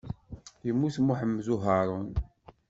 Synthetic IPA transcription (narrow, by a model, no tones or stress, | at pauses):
θimːuθmuħəmːzuɦɑɾˤən